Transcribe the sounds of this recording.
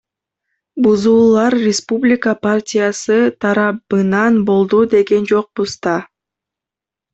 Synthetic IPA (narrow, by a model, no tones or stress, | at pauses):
buzuːlˠɑɾrʲɪspublʲɪkəpartʲijasɯt̪ʰɑɾɑpɯnɑnbo̞lˠd̪ud̪e̞ɡe̞nd͡ʒo̞q̚buzd̪ɑ